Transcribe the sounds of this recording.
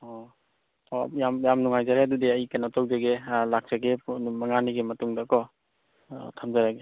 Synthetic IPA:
ɔ | jamjamnuŋajzaɾeɐdudiɐjkanɔtɔwzaɡelak̚saɡemɐŋaniɡemɐtuŋdakɔ | tʰamzaɾaɡe

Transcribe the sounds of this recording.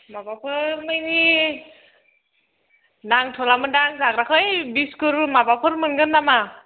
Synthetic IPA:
mabapʰɯmɯjni | daŋtʰɔlamɯdaŋzakɾakʰɯjbiskɯɾmabapʰɯɾmɯnɡɯndama

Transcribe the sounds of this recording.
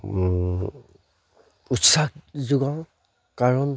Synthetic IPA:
utsak̚zuɡã | kaɹɔn

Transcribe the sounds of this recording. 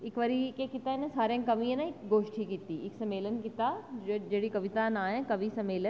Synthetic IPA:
ɪkʋɐɾikekɪt̪aenẽsaːɾjẽkɐmiə̃naɪkɡoːʃʈʰikiːt̪iɪksɐmeːlənkɪt̪ad͡ʒeːɽikɐʋɪt̪aːnaːɦẽkɐʋisɐmeːlən

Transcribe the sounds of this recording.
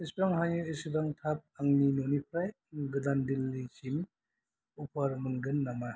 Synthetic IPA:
ispɾaŋɦaɲuisdaŋtʰap̚aŋninonipʰɾaj | ɡɯdandilːisin | upʰaɾmɯŋɡɯnːama

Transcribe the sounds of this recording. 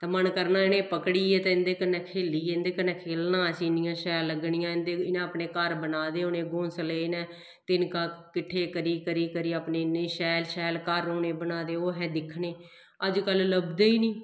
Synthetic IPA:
t̪eːmənkəɾnãːɪnẽːpəkɽiːɛːt̪eːɪnd̪eːkənɛ̃ːkʰeːliːɛːɪnd̪eːkənɛ̃ːkʰeːlnãːsiːnɪjãːʃɛːlːəɡɳɪjãːɪnd̪eːɪnãːəpneːkəɾbənaːd̪eːoːneːɡõːsəleːnɛ̃ː | t̪ɪnkaːkɪʈʰːeːkəɾiːkəɾiːkəɾiːapneːnẽːʃɛːlʃɛːlkəɾoːneːbənaːd̪eːoːɦɛːd̪ɪkʰːneː | əd͡ʒkəlləbd̪eːiːniː

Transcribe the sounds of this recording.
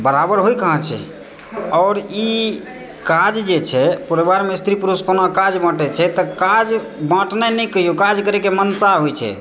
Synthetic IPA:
bəɾabəɾɦojkəɦə̃t͡ʃʰɛ̰ | ɔːɾi | kad͡ʒd͡ʒet͡ʃʰɛpuɾebaɾmest̪ɾipuɾuskonakad͡ʒbə̃ʈɛt͡ʃʰɛt̪ɔkad͡ʒ | bə̃ʈnɛnɛkəijokad͡ʒkəɾɛkemənsaɦojt͡ʃʰɛ̰

